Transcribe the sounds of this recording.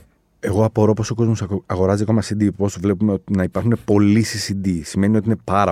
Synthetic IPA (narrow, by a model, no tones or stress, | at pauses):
e̞ɣo̞ɐpo̞ɾo̞po̞so̞ko̞zmosɐɣo̞ɾɐzikomɐsind̪ipo̞svle̞pumeot̪nɐipɐɾxune̞po̞lisisid̪isime̞nio̞t̪iine̞pɐɾɐ